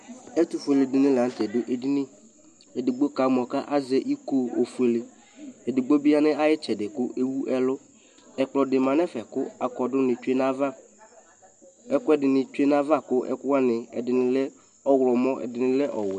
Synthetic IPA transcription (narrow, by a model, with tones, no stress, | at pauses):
ɛ˦tʊ˨fu˨e˨le˨dɪ˨nɪ̃˦la˨n̩˦tɛ˨dʊ˦ʔe˨di˦nɪ̃˦ | ɛ˨dɪ˨ɡ͡bo˦ka˨˦m˨ɔ˨ka˦ʔa˦zɛ˦ʔi˦ko˦o̰˨fu˨e˨le˨ | ɛ˨dɪ˨ɡ͡bo˦bi˦a˦nɪ̃˦a˦jɪ˦t͡ʃɛ˨dɪ˨kʊ˦ʔe˦wu˦ʔɛ˦lʊ˦ | ɛ˨k͡plɔ˨dɪ˨mã˨n˦ɛ˦fɛ˨kʊ˦a˨kɔ˨dʊ˦nɪ˨t͡ʃu˦e˦na˦va˦ | ɛ˦kʊ˦ɛ˦dɪ˨nɪ˨t͡ʃu˦e˦na˦va˦˨kʊ˦ʔɛ̰˦kʊ˦wa˦nɪ˨ɛ̰˨dɪ˨nɪ̃˨lɛ˦ | ɔ˦wɾɔ˨mɔ̃˦ʔɛ̰˨dɪ˨nɪ̃˦lɛ˦ʔɔ˨wɛ˨